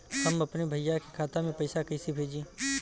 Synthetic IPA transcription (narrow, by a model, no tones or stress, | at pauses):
həmɐpnebʱəjjakekʰaːt̪amẽpəɪsakəɪsibʱeːd͡ʒẽ